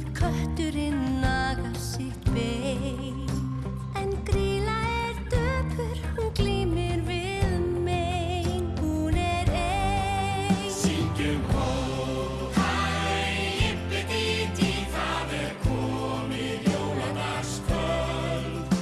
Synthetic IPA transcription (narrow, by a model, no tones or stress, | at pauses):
kʰœht̪ʏɾɪnːakaɾsɪht̪ve | ɛnkɾiːlaɛɾt̪œpʏɾ̥hunkliːmɪɾvɪ | ðme | jnhunɛɾɛ | sicʏkʰo | ha | ɪnpɪt̪it̪iθavɛɾkʰɔ | mɪ | jowapa | skœ